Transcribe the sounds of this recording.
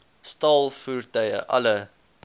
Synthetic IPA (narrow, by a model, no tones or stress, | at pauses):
stɑːlˠfurtœjə̰ʔɐ̰lə